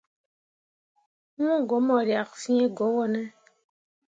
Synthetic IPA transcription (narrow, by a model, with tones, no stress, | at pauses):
ɔ̃˦˨ɡɔ˨˦mɔ˨ɾja˨ksi˦e˦ɡo˨˦wɔ˦nɛ˦